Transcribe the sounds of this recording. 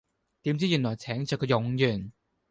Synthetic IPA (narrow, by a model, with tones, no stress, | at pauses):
t̪iː˨˥mt͡siː˥jyː˨˩nlɔː˨˩jt͡sʰɛː˨˥ŋt͡sœː˨˧kʰɔ˧jʊ˨˧ŋjyː˨˩n